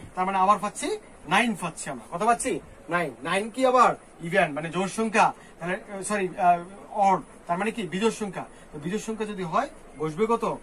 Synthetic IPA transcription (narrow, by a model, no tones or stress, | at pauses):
t̪aɾmaneabaɾfat̪ːt͡ɕʰi | najnfat̪ːt͡ɕʰiamɾa̰kɔt̪ʰapat̪ːt͡ɕʰi | najnːajnkiabaɾ | ibʱenmaned͡ʑoʃɔŋkʰa | t̪aɦlesɔɾi | ɔɾɖ | t̪aɾmanekibid͡ʑoʃɔŋkʰa | t̪obid͡ʑoʃɔŋkʰad͡ʑod̪iɦɔe | boʃbekɔt̪o